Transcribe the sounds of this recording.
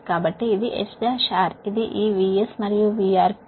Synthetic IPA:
kːaːbɐʈːeid̪iʔḛt͡ʃd͡ʒaʃaːɾid̪iʔiːʋiesmɐɾijuʋiːaːɾ

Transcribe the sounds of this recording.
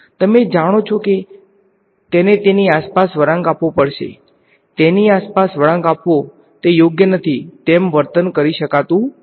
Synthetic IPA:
t̪əmed͡ʒaɽ̃ot͡ʃʰɔke | t̪enet̪eniaspasʋəɾãŋɡapʋopəɽʃḛ | t̪eniaspasʋəɾãŋɡapʋo | t̪ejoɡjənət̪ʰit̪emʋəɾt̪ənkəɾiʃəkat̪ũ

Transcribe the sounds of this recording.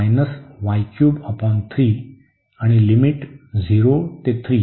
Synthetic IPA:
jnəsʋajkjuːbəpɔnt̪ʰɾiː | aɽ̃ilimiʈd͡zʱiɾot̪et̪ʰɾiː

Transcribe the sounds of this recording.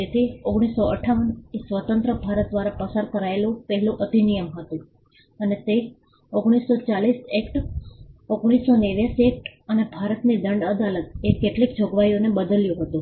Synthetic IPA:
d͡ʒet̪ʰioɡɽ̃isːoəʈʰaʋənsʋət̪ənt̪ɾəbʱaɾət̪̚d̪ʋaɾapəsaɾkəɾaelũpəɦɛlũʔət̪inijəmɦət̪ũ | ənet̪e | oɡɽ̃isːot͡ʃalisekʈ | oɡɽ̃isːoneʋjasiek̚ʈənebʱaɾət̪nid̪əɳɖəd̪alət̪̚ekeʈlikd͡ʒʱoɡʋajonebəd̪əljũɦət̪ũ

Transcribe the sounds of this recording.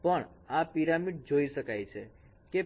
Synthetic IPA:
pəɳapiɾamiɖ̚d͡ʒoiʃəkajt͡ʃʰe | ke

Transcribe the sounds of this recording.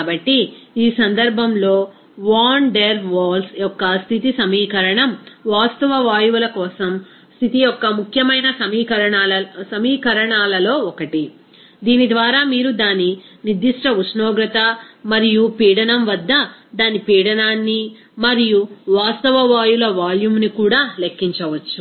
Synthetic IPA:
aːbɐʈːiiːsɐnd̪ɐɾbʱɐmlo̞ː | ʋaːɳɖeɾʋaːlsjɔkːɐst̪ʰit̪isɐmiːkɐɾɐɳɐmʋaːst̪ɐʋɐʋaːjuʋulɐkɔːsɐm | st̪ʰit̪ijɔkːɐmukʰjɐmɐjnɐsɐmiːkɐɾɐɳaːlɐsɐmiːkɐɾɐɳaːlɐlo̞ːɔkɐʈi | d̪iːnid̪ʋaːɾaːmiːɾud̪aːninid̪ːiʂʈɐusnɔːɡɾɐt̪ɐmɐɾijupiːɽɐnɐmʋɐd̪ːɐd̪aːnipiːɽɐnaːnːi | mɐɾijuʋaːst̪ɐʋɐʋaːjulɐʋaːljumnikuːɽaːlekːiɲt͡ʃɐʋɐt͡ʃːu

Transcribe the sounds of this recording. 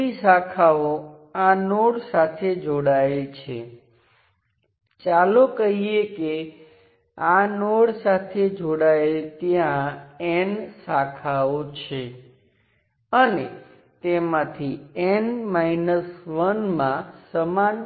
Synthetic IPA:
isakʰao | anoɽsat̪ʰed͡ʒoɽaelt͡ʃʰe | t͡ʃalokəɦieke | anoɽsat̪ʰed͡ʒoɽaelt̪jãensakʰaot͡ʃʰe | əne | t̪emãt̪ʰienmainəsʋənmãsəman

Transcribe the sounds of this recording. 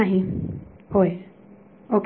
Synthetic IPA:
aɦĩ | hoj | ok

